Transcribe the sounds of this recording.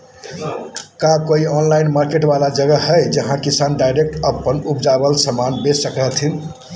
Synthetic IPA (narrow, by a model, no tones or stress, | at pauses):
kakoiɔnlainmaɾkeʈbalad͡ʒəɡəɦəjd͡ʒəɦãkisanɖajɾek̚ʈəpːənupd͡ʒabəlsəmanbesəkɾət̪ʰin